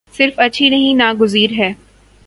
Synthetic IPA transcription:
sɪɾfɐtːʃʰinɐɦĩnaːɡʊziːɾɦɛː

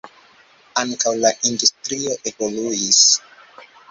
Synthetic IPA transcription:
aŋkawlaʔindustɾio̞ʔevoluis

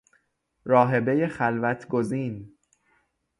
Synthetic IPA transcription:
ɾɒːɦe̞be̞jexælvæt̪ʰɡoziːn

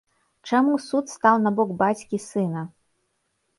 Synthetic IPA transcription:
t͡ʂamusut̪st̪awnabɔɡbat͡sʲkʲisɨnɐ

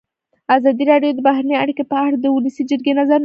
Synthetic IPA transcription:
azɑd̪iɾɑɖjod̪əbaɦɾaneaɽikepəaɽd̪əwʊləsid͡ʒəɾɡenazaɾn

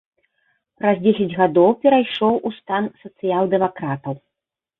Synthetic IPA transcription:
pɾɐzd͡zʲesʲɛd͡zʲɣad̪ɔwpʲɛɾajʂɔwʔust̪ansɐt̪sɨjalˠd̪ɛmakɾat̪ɐw

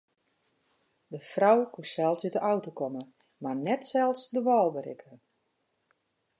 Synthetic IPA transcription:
dəfrɔwkusɛlˠsytdəʔawtokɔməmarnɛtsɛlˠsdəʋɔːlˠbəɾɪ̰kʰə

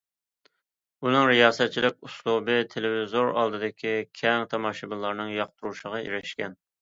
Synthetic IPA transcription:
unɨŋɾɪjɑːsɛt̪̚t͡ʃʰilɪk̚ʲuslˠubɨt̪ʰelɪvizoɾɑ̰lˠd̪ɨd̪ɪkʲʰikʲʰɛŋt̪ʰɑmɑʃɨbɨlˠːɑɾnɨŋjɑq̚t̪ʰuɾuʃəʁɑḭɾɪʃkʲɛn

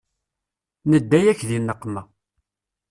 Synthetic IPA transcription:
nəd̪ːæjæçðinːəqːmæ

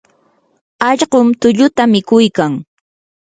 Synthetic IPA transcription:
ɑʎɢʊmt̪ʊʎʊt̪amɪkʊjkaŋ

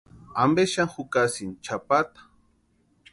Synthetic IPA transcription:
ambeʃaŋxʊkasint͡ʃapat̪ḁ

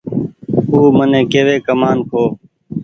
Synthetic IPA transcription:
uːmənẽːkeːʋeːkəmaːnkʰoː

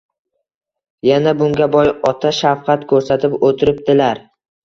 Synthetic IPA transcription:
janabʊŋɡʲabɒjɒt̪ʰaʃafqʰɑt̪kʰɵɾsat̪ʰɪpot̪ʰɪɾɪp̚d̪ɪlaɾ

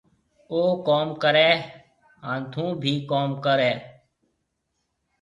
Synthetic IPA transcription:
oːkoːmkəɾɛː | aːnt̪ʰũːbʱiːkoːmkəɾɛː

